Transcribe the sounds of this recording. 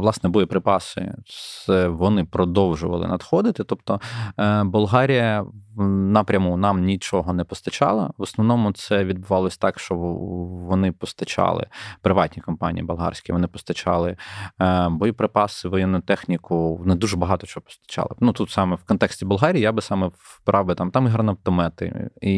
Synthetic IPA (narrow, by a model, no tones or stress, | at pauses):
ʋlˠɑsnɛbɔjʊpɾɪpɑsɪ̰sʋɔnɪpɾɔd̪ɔwʒʊʋɐlˠɪ̰nɐd̪xɔd̪ɪt̪ɪt̪ɔp̚t̪ɔ | bʊlˠɦɑɾʲijɐ | nɐpɾʲɐmunɑmnʲit͡ʃɔɦɔnɛpɔst̪ɐt͡ʃɑ̰lˠɐ̰ʋɔsnɔʋnɔmʊt̪sɛʋʲid̪̚bʊʋɑlˠɔsʲɐ̥t̪ɑkʃt͡ʃɔʋɔnɪpɔst̪ɐt͡ʃɑ̰lˠɪ̰pɾɪʋɑtʲnʲikɔmpɑ̰nʲḭjibʊlˠɦɑ̰rsʲkʲɪʋɔnɪpɔst̪ɐt͡ʃɑ̰lˠɪ | bɔjipɾɪpɑsɪʋɔjɛnːʊt̪ɛxnʲikʊɔnɪd̪uʒɛbɐɦɑt̪ɔt͡ʃɔɦɔpɔ̥st̪ɐ̥t͡ʃɑ̰lˠɪ̰nut̪ut̪sɑmɛwkɔnt̪ɛksʲtʲibʊlˠɦɑɾʲiːijabɪsɑmɛpɾɑwbɪt̪ɑmt̪ɑmiɦɐrnɐpt̪ɔmɛt̪ɪ̰i